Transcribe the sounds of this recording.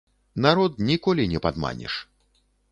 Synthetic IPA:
naɾɔt̪nʲikɔlʲinʲɛpad̪ma̰nʲɛ̰ʂ

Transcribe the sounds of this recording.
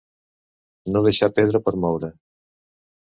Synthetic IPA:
noðeʃapeðɾəpoɾmɔwɾə

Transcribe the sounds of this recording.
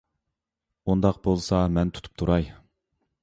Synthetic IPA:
und̪ɑqbolˠsɑmɛnt̪ʰu̥t̪ʰu̥p̚t̪ʰuɾɑj

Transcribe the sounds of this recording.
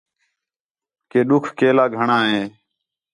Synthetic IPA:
keːɗʊkʰkeːlaːɡʱəɳãːɦẽː

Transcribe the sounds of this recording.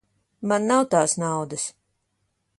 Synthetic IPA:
manːawt̪aːsnawd̪əs

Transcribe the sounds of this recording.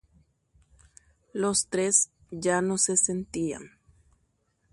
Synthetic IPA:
lost̪ɾes | d͡ʒano̞se̞sent̪ia̰ŋ

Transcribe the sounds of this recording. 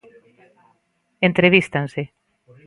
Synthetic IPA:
ent̪ɾeβist̪anse

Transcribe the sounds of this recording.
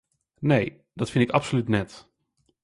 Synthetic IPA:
nej | d̥ɔtfɪnɪkapsolytnɛt

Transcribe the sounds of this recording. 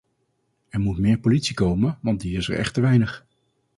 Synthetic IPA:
ɛɹmutmɪːɹpolitsikowmənʋɑnt̚diːɪsə̰ɹʔɛ̰χtəʋɛjnəχ

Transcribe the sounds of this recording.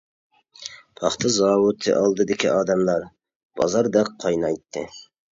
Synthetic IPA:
pʰɑχt̪ʰɑzɑːwʊt̪ʰɨ̰ʔɑlˠd̪ɨd̪ɪkʲiʔɑːd̪ɛmlˠɑɾ | b̥ɑ̰zɑɾd̪ɑqqʰːɑjnɑjt̪ʰːɨ

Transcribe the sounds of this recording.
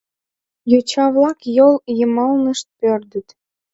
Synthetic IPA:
jut͡ɕɑβlˠɑkjolˠjɤ̆mɑlˠnə̆ʃt̪̚pørd̪ə̆t̪

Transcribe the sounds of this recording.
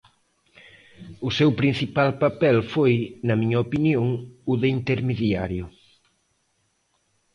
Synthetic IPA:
ʊsewpɾin̟θipalpapɛlfojnɐmiɲɐopinjoŋʊðɪint̪eɾmeðjaɾjʊ

